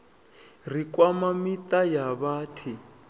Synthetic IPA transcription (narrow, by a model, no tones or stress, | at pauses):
r̤ikwamamitajaβaːtʰi